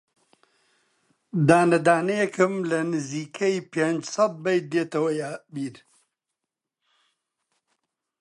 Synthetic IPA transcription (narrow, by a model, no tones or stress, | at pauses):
d̪aːnɐd̪aːnɐjɛkʰɨmlɐnɨziːkʰɐjpend͡ʒsɐd̪̚bɐjd̪eːt̪ɐwɐjabiːɾ